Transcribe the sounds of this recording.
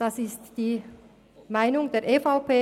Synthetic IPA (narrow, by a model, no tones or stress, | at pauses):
d̥ɑsɪstd̥iː | maɪnʊŋdeːɐʔefaʊpeː